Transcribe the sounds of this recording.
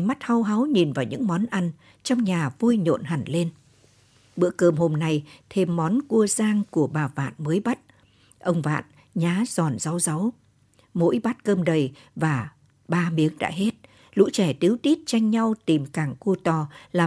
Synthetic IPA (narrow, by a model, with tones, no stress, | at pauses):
ma˦˥t̚ha˧˦wɦa˨˦wɲi˨˩nvaː˨˩wɲɨ̰˧˥ŋmɔ˨˦nʔa˧jŋ̟ | t͡ɕɔ˧wŋ͡mɲaː˨˩vu˧jɲo̰˧˨nɦa˧˩ŋle˧n | ɓɨ̰˧˥əkəː˧˩mho˧mna˧jt̪ʰe˧mːɔ˨˦nku˧əzaː˧ŋku˧˩əɓaː˨˩va̰ː˧˨nməː˨˦jɓa˦˥t̚ | ʔə˧wŋ͡mva̰ː˧˨n | ɲaː˨˦zɔ˨˩nza˨˦wza˨˦w | mo̰˧˥jɓa˦˥t̚kəː˧mɗə˨˩j | vaː˨˩ | ɓaː˧mi˨˦əŋɗa̰ː˧˥ɦe˦˥t̚ | lṵ˧˥t͡ɕɛ˧˩t̪ɨ˨˦wt̪i˦˥t̚t͡ɕa˧jŋ̟ɲa˧wt̪i˨˩mkaː˧˩ŋku˧ət̪ɔ˨˩laː˨˩